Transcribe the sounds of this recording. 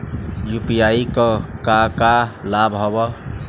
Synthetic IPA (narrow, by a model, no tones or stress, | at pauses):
jupijaikəkakalabɦobə